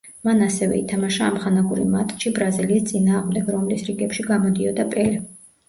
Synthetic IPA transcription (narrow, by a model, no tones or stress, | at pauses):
manasɛvɛ̰ḭt̪ʰamaʃaːmχanaɡuɾḭmat̪ʼʃibɾaziliːst̪sʼinaːʁmd̪ɛɡɾɔmlisɾiɡɛpʃiɡamɔd̪iɔd̪apʼɛli